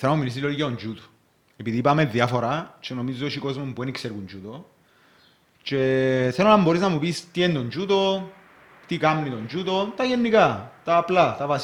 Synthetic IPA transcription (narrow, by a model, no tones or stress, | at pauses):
senamumilis̬ilolicaond͡ʒut̪u̥ | epiðiːpameðːjafo̞ɾat͡ʃeno̞mizoʃiko̞zmombuenikseɾɣund͡ʒut̪o̞ | t͡ʃe̞θelonambo̞ɾiznɐmupist̪ient̪o̞nd͡ʒut̪o̞ | t̪ikamnit̪o̞nd͡ʒut̪o̞t̪ɐʝenːikat̪aːplat̪ɐvas